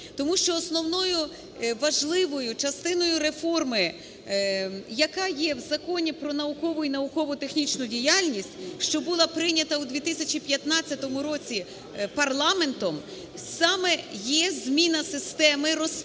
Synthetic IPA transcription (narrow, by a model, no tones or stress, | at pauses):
t̪ɔmuʃt͡ʃɔːsnɔwnɔjʊ | ʋɐʒlˠɪʋɔjʊt͡ʃɐst̪ɪnɔjʊɾe̞fɔrmɪ | jɐkɑjɛwzɐkɔnʲipɾɔnɐʊkɔʋʊinɐʊkɔʋʊt̪e̞xnʲit͡ʃnʊdʲijalʲnʲisʲtʲʃt͡ʃɔbulˠɑpɾɪnʲɐt̪ɐwd̪ʋʲit̪ɪsʲɐt͡ʃipʲjɐt̪nɑt͡sʲːɐt̪ɔmʊɾɔt͡sʲi | pɐrlˠɑme̞nt̪ɔm | sɑmɛjɛzʲmʲinɐsɪst̪ɛmɪɾɔs